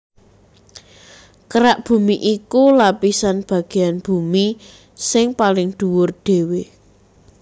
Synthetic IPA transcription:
kəɾaʔb̥ṳmiʔikulapisanb̥ä̤ɡ̥e̤janb̥ṳmi | sɪŋpalɪŋd̪̥uwʊrɖ̥e̤we

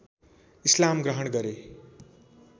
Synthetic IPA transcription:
islamɡrʌɦʌnɡʌɾe

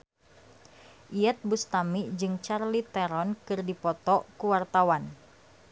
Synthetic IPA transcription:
ʔiɛt̪̚bust̪amid͡ʒɨŋt͡ʃarlit̪ɛɾɔnkɨrdipɔt̪ɔkuwart̪awan

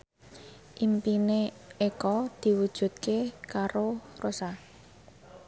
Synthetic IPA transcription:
ʔimpine | ekɔd̪̥i̤wud̥ʒ̥ṳt̪̚kekaɾorosa

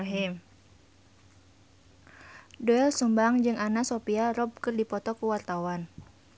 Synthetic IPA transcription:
ɦim | dɔɛlsumbaŋd͡ʒɨŋanasopiaɾɔb̚kɨrdipɔt̪ɔkuwart̪awan

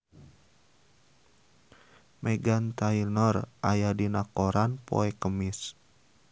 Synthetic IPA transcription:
mɛɡant̪ainɔrʔajadinakɔɾʔanpɔ̰ɛkəmis

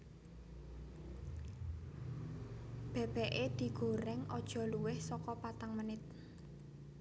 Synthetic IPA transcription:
b̥ɛ̤b̥ɛʔed̪̥i̤ɡ̥o̤ɾɛŋɔd̥ʒ̥ɔ̤luwɪhsɔkɔpat̪aŋmənɪt̪̚

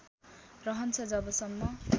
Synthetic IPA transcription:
rʌɦʌnt͡sʰʌd͡zʌbʌsʌmːʌ

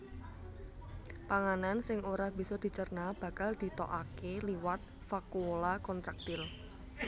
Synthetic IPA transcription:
paŋanansɪŋoɾahb̥i̤sɔd̪̥i̤t͡ʃərnab̥ä̤kald̪̥i̤t̪ɔʔakeliwat̪̚ | fakulakɔnt̪ɾak̚t̪ɪl

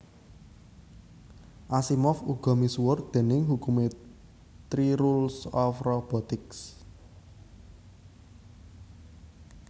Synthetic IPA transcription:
ʔasimɔfuɡ̥ɔ̤misuwʊrd̪̥e̤nɪŋɦukume | t̪ɾiɾulsɔfrɔb̥ɔt̪ɪks

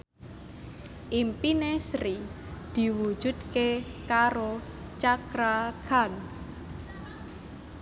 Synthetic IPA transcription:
ʔimpinesɾi | d̪̥i̤wu̥ʒ̥ṳd̪̚kekaɾo | t͡ʃakɾakʰan

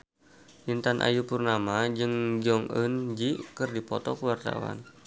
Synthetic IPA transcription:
int̪anʔa̰jupurnamad͡ʒɨŋd͡ʒɔŋənd͡ʒikɨrdipɔt̪ɔkəwart̪a̰wa̰n

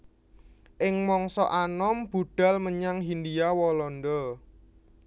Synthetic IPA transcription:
ʔɪŋmɔŋsɔʔanɔmb̥ṳɖ̥a̤lməɲaŋɦind̪iawɔlɔndɔ

